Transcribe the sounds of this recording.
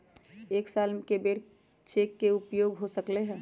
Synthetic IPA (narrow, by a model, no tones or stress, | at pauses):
eːksalmkebeːɽ | t͡ʃeːkːeʊpjoːɡɦosəkleɦɛ̃ː